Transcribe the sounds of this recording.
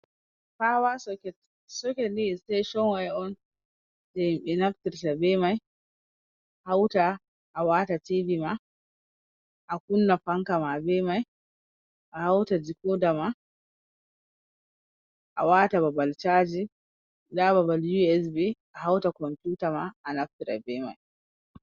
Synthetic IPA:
fawasɔkɛ | sɔkɛlitejʃɔnwajɔn | tɛɓɛnaftiɾtabɛmaj | hawta | ʔːwatativima | ʔakunːafaŋkamabɛmaj | ʔahawtad͡ʒikɔdama | ʔa̰watababalt͡ʃad͡ʒi | dababaljuɛsbiʔaɦawtakɔmpjutamaːnaftiɾa̰bɛma̰j

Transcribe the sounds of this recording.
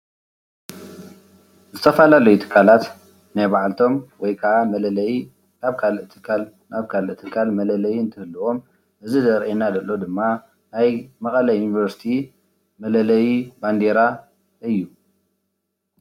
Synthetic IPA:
zɨt̪ʰɐfalalɐjut̪ʰɨ̥kʰːalat̪ | najbaʕalt̪ʰo̞mwɔjkʰɐʕamɐlɐlɐji | nʰaβkʰalɨt̪ʰɨ̥kʰal | naβkʰalʔɨt̪ʰːɨkʰːalmɐlɐlɐjiɨnt̪ʰɨhɨlːɨʔo̞m | ʔɨzizɐɾʔenad̪ɐlːo̞d̪ɨmːa | najmɐkʼɐlajjunivɐɾsi̥t̪ʰi | mɐlɐlɐjiband̪eɾa | ʔɨjːu

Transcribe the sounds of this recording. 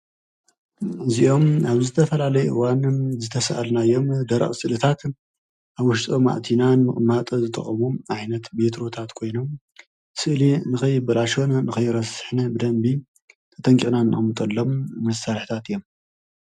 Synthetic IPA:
ɨziʔo̞maβzɨt̪ʰɐfɐlalɐjʔɨwanzɨt̪ʰɐsa̰ʔalnajo̞md̪ɐɾɐ̰χʼsɨlɨt̪ʰat̪ | ʔaβwʊʃt̪ʼoma̰ʔt̪ʰinanmɨχʼmat̪ʼɐzɨt̪ʼɐ̰χʼɐmuʕajnɐt̪bet̪ʰɾo̞t̪ʰat̪kʰo̞jno̞m | sɨʔlinɨxɐjːɪbɐlaʃonnɨxɐjːɪɾɐsɨħnɐbɨd̪ɐmbi | t̪ʰɐ̥t̪ʰʼɐŋkʼinanɨʔʼɐmɨt̪ʼɐlːo̞mmɐsalħi̥t̪ʰat̪ɨjːo̞m

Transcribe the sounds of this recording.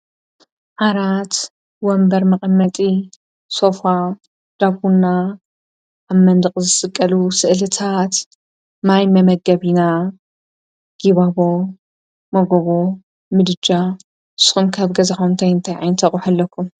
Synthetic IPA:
ʔaɾat̪ | wɔmbɐɾmɐχʼɐmːɐt̪ʼi | so̞fa | d̪̥abunːa | ʔːβmɐnd̪ɨqʼzɨsʼɨkʼːɐlusɨʔlɨt̪ʰat̪ | majmɐmɐɡɐβina | ɡ̥iβaβo | mɐɡoβo | mɨd̪ɨd͡ʒa | ɨsɨ̥xumkʰaβɡɐzaxumt̪ʰajɨnt̪ʰajʕajnt̪ʰɐkʼħɐlːɐkʰːum

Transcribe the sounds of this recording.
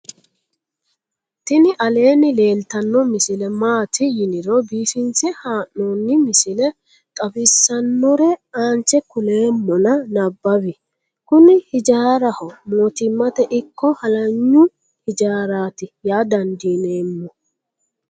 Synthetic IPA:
t̪ɪnɪʔɐle̞ːnɪle̞ːlt̪ɐnːɔmɪsɪlɛmaːt̪ɪjɪnɪɾɔbiːfɪnt͡sɪhaːnnonːɪmɪsɪlɛ | kʼɐbɪsːɐnːɔɾɛaːnt͡ʃɛkʊle̞ːmːɔnɐnɐbːɐbɪ | kʊnɪhɪd͡ʒaːɾɐhɔmoːt̪ɪmːɐt̪ɛʔɪkːɔhɐlɐɲːʊ | hɪd͡ʒaːɾaːt̪ɪjaːd̪ɐnd̪iːne̞ːmːɔ

